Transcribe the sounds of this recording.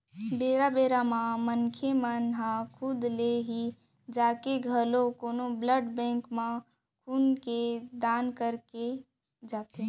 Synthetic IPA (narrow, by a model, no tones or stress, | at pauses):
beːɾabeːɾamãmənkʰemənɦãkʰʊd̪leɦi | d͡ʒaːkeɡʱəlokoːnobləɖbɛ̃ːŋkmã | kʰunked̪aːnkəɾke | d͡ʒaːt̪ẽ